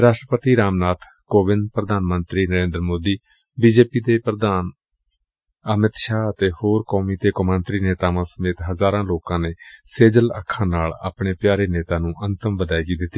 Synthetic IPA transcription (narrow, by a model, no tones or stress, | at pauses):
ɾaːʃʈɾəpət̪iːɾaːmnaːt̪ʰ | koːbɪnd̪pɾəd̪ʱaːnmənt̪ɾiːnəɾẽːnd̪ɾəmoːd̪iː | biːd͡ʒeːpiːd̪eːpɾəd̪aːn | əmɪt̪ʃaːət̪eːhoːɾkɔːmiːt̪eːkomənt̪ɾiːneːt̪aːʋãːsəmeːt̪ɦəzaːɾãːloːkãːneːseːd͡ʒələ̰kʰːãːnaːla̰ːpɳeːpjaːɾeːneːt̪aːnũːʔənt̪əmʋəd̪aːiɡiːd̪ɪt̪ːiː